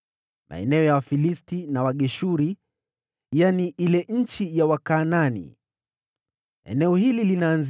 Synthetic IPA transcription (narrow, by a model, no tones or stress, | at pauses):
mʔa̰ɛ̰nɛɔjawafilistinawaɠɛʃuɾi | janiʔilɛɲ̩t͡ʃijawakaːnanḭ | ɛ̰nɛɔhililinaːnz